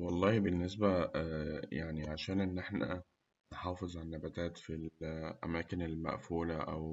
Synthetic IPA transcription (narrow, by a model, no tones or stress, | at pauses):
wɑlˤːɑːhbenːes̬bæ | jaʕniʕaʃæːnʔenːʔeħnæ̰ | nħɑːfezˤʕanːæbæt̪æːt̪filʔæ̰mæːkenelmæ̰ʔfuːlæʔæ̰w